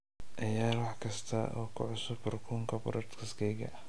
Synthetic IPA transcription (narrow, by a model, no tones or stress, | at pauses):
ʔɐjaːlwɑħkʰɐst̪ʰɐʔɔːkʰʊ̰ʕʊsʊbʊrkʰuːŋkʰɐbʊ̰ɾʔɛɾt̪kʰɐskʰɛjɡɐ̰